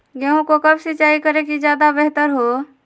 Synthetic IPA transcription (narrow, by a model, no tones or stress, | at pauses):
ɡɛũkokəbsɪtːt͡ʃaːikəɾekid͡ʒjad̪abeɦt̪əɾɦo